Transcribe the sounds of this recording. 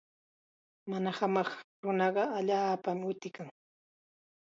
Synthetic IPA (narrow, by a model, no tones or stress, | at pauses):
manahamɑχɾʊnɑɢɑaʎaːpamɪʊt̪ɪkaŋ